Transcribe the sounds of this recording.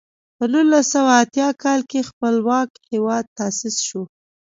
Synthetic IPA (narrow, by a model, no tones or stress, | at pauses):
pənulːasawaːt̪jɑkɑlkexpəlwɑkhewɑd̪̚t̪asɪsʃo